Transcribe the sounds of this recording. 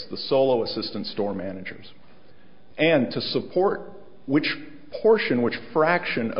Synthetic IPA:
ðəsoʊlˠoʊəsɪstɨ̃n̩tstɔɹmænɨd͡ʒə̰˞z̥ | ʔɨ̃ntʰɨsəpʰɔɹt̚ | wɨt͡ʃ | pʰɔɹʃɨ̃nwɨt͡ʃfɹækʃɨ̃nʌ̰

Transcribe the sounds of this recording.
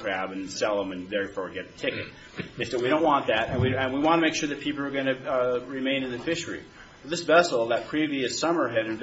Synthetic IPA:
ɹ̥æbɨ̃nsɛlˠə̃mɨ̃nðɛɹfɔɹɡɛt̚ɨtʰɪkɨt̚ | ɨsðɨt̚wiɾõʊ̃nʔwɑ̃nðɨɾɨ̃nwiɨ̃nwiwɑ̃ntʰɨmeɪkʃʊɹðɨt̚pʰipl̩ˠə˞ɡʌ̃ñɨɹimẽɪ̃nɨ̃nðɨfɪʃə˞ḭ | ðɪsvɛsl̩ˠðɨt̚pʰɹ̥iviɨsʌmə˞ɨɾɨ̃ɱv

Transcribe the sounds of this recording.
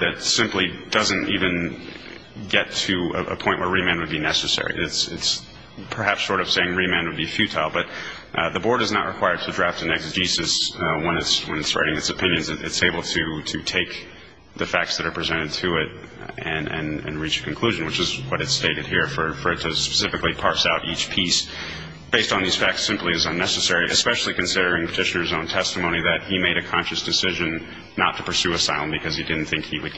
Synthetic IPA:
ðɨtsɪ̃mplid̥ʌzɨ̃ntivɨ̃n | ɡɛtʰɨɨʔə̰pʰɔ̃ɪ̃nʔwə˞ɹimæ̃nd̚wɨd̚binɛsɨsɛ̰ɹḭɪtsɪts | pʰə˞hæpsːɔɹɾʌv̥seɪɪ̃ŋɹimæ̃nd̚wɨd̚bifjʉtʰaɪlˠbʌt̪̚ | ðəbɔɹɾɨznə̰ʔ̚ɹʔɨkʰw̥aɪə˞d̚tʰɨdɹæftɨ̃nɛksʒ̥isɨswə̃nɨtswə̃nɨtsɹa̰ɪɾɪ̃ŋɨtsɨpʰɪ̃njɨ̃nzɨɾʔɨ̰tseɪbl̩ˠtʰɨɾɨtʰeɪk̚ | ðɨfæk̚tsðɨɾə˞pʰɹ̥izɛ̃ɾ̃ɨd̚tʰɨɪɾɨ̃nɨ̰̃nɨ̰̃nɹit͡ʃɨ̥kʰɨ̃n̩kʰl̥ʉʒɨ̃n̩wɨt͡ʃɨzwʌɾɨtsteɪɾɨd̚hiɹfə˞fə˞ɨtʰɨspə̥sɪfɨklipʰɑɹsaʊɾʔit͡ʃpʰis | b̥eɪstn̩ðiz̥fæk̚tsɪ̃mpliɨzə̃nːɛsɨsɛɹiʔɨ̰spɛʃl̩ˠikɨ̃nsɪɾə˞ɪ̃ŋpʰɨ̥tʰɪʃɨnə˞zõʊ̃ntʰɛstəmõʊ̃ñiðɨt̚himeɪɾɨkʰɑ̃nʃɨsd̥ɨsɪʒɨ̃nː | ə̰tʰɨ̥pə˞sʉɨsaɪlˠə̃nbɨkʰʌz̥idɪdⁿn̩θɪ̃ŋkhiwɨd̚

